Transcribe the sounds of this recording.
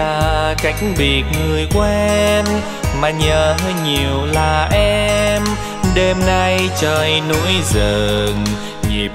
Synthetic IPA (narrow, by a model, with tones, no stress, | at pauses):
aː˨˧˩ka˧˦jŋ̟ɓi˨˩ət̚ŋɨ˨˩əjku˧˩˧ʔʔɛ˧mː | aː˨˩ɲəː˨˩ɦəː˧jɲi˨˩əwlaː˨˩ʔɛ˧m | ɗe˧mna˧jt͡ɕəː˨˩jno̰˧˥jzə˨˩ŋ | ŋi˨˩əp̚